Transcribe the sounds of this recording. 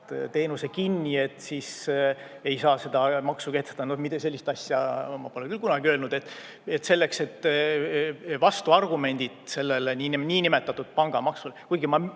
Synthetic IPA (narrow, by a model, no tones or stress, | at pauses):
t̪e̞ːnuse̞kinʲːie̞t̪ːˑsis | e̞jsɑːse̞d̪̥ɑmɑksuke̞t̪ːst̪ːɑnohmit̪ese̞lːist̪ɑsʲjɑmɑ̰poleŋkylkunɑɡ̥iøːlnud̪̥et̪ːˑ | et̪se̞lːe̞kse̞t̪ː | vɑst̪uɑrɡ̥ume̞nʲd̪̥id̪̥se̞lːeleninʲiːnʲime̞t̪ːˑɑt̪ːud̪̥̚pɑŋɡ̥ɑmɑksulekujɡ̥imɑ